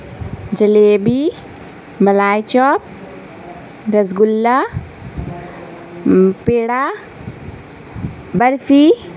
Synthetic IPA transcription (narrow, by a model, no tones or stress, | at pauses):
d͡ʒɐleːbi | mɐlaːjt͡ʃɔːp̚ | ɾɐzɡʊlːa | peːɽaː | bɐɾfi